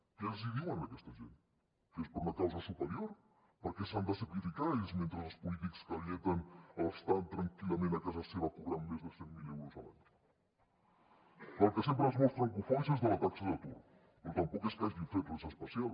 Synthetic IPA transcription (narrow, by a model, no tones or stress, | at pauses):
kɛziðiwənəkɛst̪əʒḛn | kespəɾunɐkawzəsupəɾjoɾ | pəɾkɛsand̪əsəklifikaisment̪ɾəzəlˠspulit̪ikskəlɛt̪ənələst̪ant̪ɾɐŋkilˠɐmẽnɐkazəseβəkuβɾanmezðəsɛŋmileɾuzala̰ɲ | pəlˠkəsempɾəzmɔst̪ɾəŋkufansezðəlɐt̪aksəðət̪uɾ | pɾɔt̪ɐmpɔkeskazðinfet̪lezəspəsialˠ